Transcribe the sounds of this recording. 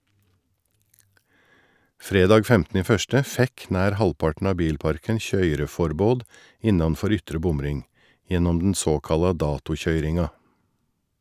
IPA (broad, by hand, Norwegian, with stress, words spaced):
ˈfɾeːdɑːɡ ˈfɛmtnə ˈiː ˈfœstə ˈfɛk ˈnæːɾ ˈhɑlpɑʈn̩ ˈɑː ˈbiːlˌpɑɾkən ˈçœʏɾəˌfɔɾboːd ˈɪnɑnˌfɔɾ ˈʏtɾə ˈbʊmˌɾɪŋ ˈjɛnɔm dn̩ ˈsoːkɑlɑ ˈdɑːtʊˌçœʏɾɪŋɑ